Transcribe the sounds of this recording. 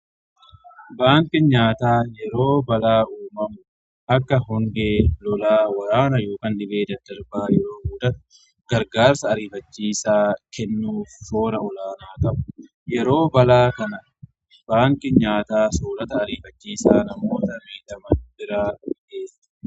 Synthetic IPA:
baːŋkɪɲaːt̪aːjɛɾo̞ːbɐlaːʔuːmɐmʊ | ʔɐkːɐɦʊŋɡeːlɔlaːwɐɾaːnɐjoːkɐnᶑɪbe̞ːd̪ɐd̪ɐɾbaːjɛɾo̞ːɡuːd̪ɐt̪ɐ̥ | ɡ̥ɐɾɡaːɾsɐːɾiːfɐt͡ʃːiːsaːkʰɛnːuːfso̞ːɾɐɔlaːnaːt̪ɐʔʊ̥ | jɛɾo̞ːbɐlaːkɐnɐ | b̥aːŋkɪɲaːt̪aːsoːɾɐt̪ɐːɾiːfɐt͡ʃːiːsaːnɐmoːt̪ɐmeːt̪ɐmɐbɪɾaːʊʔeːsɐ̥

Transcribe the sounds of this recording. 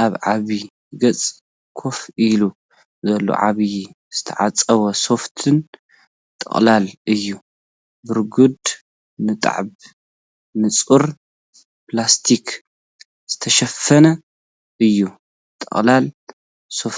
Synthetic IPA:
ʔaβʕaβi | ɡɐt͡sʼ | kʰo̞filu | zɐlːo̰ʕa̰βji | z̥ɨt̪ʰɐʕat͡sʼɐβɐso̞ft̪ʰɨn | t̪ʼɐ̰χʼlalʔɨjːu | bɨɾɡud̪ | nɨt̪ʼa̰ʕb | nɨt͡sʼuɾ | plast̪ʰik | z̥ɨt̪ʰɐʃɐfɐnɐ | ʔɨjːu | t̪ʼɐ̰χʼlal | so̞f

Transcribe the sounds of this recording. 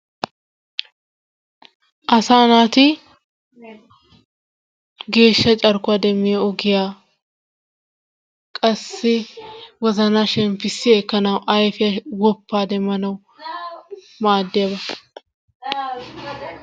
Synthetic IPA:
ʔɐsaːnaːt̪ɪ | ɡe̞ːʃːɐt͡ʃʼɐɾkʊaːd̪ɛmːɪjɛɔɡɪjaː | kʼɐsːɪwɔzɐnaːʃɛmfɪsːɪɛkːɐnɐwʔɐjfɪjɐwɔpːaːd̪ɛmːɐnɐw | maːd̪ːɪjɐbɐ

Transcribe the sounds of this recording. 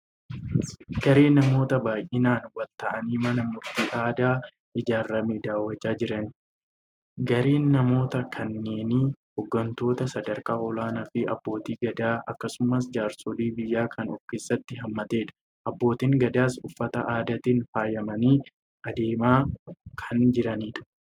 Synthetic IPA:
ɡ̥ɐɾeːnːɐmo̞ːt̪ɐbaːjʔɪnaːnwɐlt̪ɐʔɐniːmɐnɐmʊɾt̪iːʔaːd̪aː | ʔɪd͡ʒaːɾːɐmeːd̪aːwːɐt͡ʃːaːd͡ʒɪɾɐn | ɡɐɾeːnːɐmo̞ːt̪ɐkʰɐnːe̞ːnɪhɔɡːɐnt̪o̞ːt̪ɐsɐd̪ɐɾkaːʔɔlaːnɐfɪʔɐ̰bːo̞ːt̪iːɡɐd̪aːɐkːɐsʊmɐs̬d͡ʒaːɾsɔd̪iːbɪjːaːkʰɐnɔ̰fke̞ːsːɐt̪ːɪɦɐmːɐt̪e̞ːᶑɐ̥ | ʔɐbːo̞ːt̪iːŋɡɐd̪aːsʊfːɐt̪ɐʔaːd̪ɐt̪iːnfaːjɐmɐniː | ʔɐd̪e̞ːmaːkʰɐnd͡ʒɪɾɐniːᶑɐ̥

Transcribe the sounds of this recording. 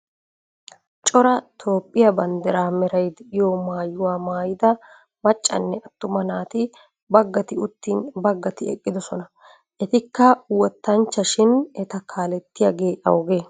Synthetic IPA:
t͡ʃʼɔɾɐt̪ʰoːpʼːɪjɐbɐnd̪ɛɾaːmɛɾɐjd̪ɛʔɪjɔmaːjʊwaːmaːjɪd̪ɐ | mɐt͡ʃʼːɐ̰nːɛʔɐt̪ːʊmɐnaːt̪ɪ | bɐɡːɐt̪ɪʊt̪ːiːnbɐɡːɐt̪ɪɛkʼːɪd̪ɔsɔnɐ | ʔɛt̪ɪkːɐwɔt̪ːɐnt͡ʃːɐʃɪnɛt̪ɐkʰaːlɛt̪ːɪjɐɡeːʔɐ̰wɡeː

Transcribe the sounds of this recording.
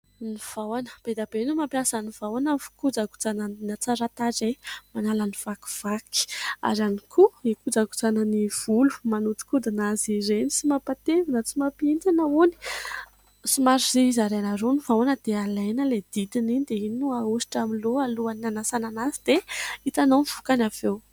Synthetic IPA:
niv̥awanəb̥ed̪abeinumampiasənivawanəfu̥kud͡zaɡu̥t͡sanənat͡saɾat̪aʈ͡ʂemanalaniv̥aku̥v̥aki̥a̰ɾanikʰuikud͡zaɡu̥t͡sanəniv̥ulu̥manut̪i̥kud̪inaziɾenit͡simapat̪evinət͡simapent͡sanauni̥ | simaɾiziizaɾenaɾonivawanəd̪̥ealajnəled̪̥id̪ininid̪eininuausi̥ʈ͡ʂamiloaluananasananazid̪̥eit̪anonvu̥kanavew

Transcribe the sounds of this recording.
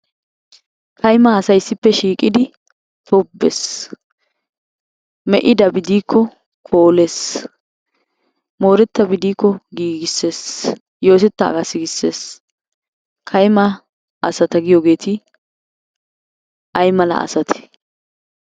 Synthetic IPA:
kʰɐjmɐːsɐjɪsːɪpːɛʃiːkʼːɪd̪ɪ | t̪ʰobːḛs | mɛʔɪd̪ɐbɪd̪iːkʰːɔ | kʰoːles | mo̞ːɾɛt̪ːɐbɪd̪iːkːɔɡiːɡɪsːe̞ːs | jo̞ːt̪ɛt̪ːɐ̰ːɡɐsɪɡɪsːeːs | kʰɐjmɐ | ʔɐsɐt̪ɐɡɪjoɡe̞ːt̪ɪ | ʔɐjmɐlɐ̰ʔɐ̰sɐt̪ʰɛ̥

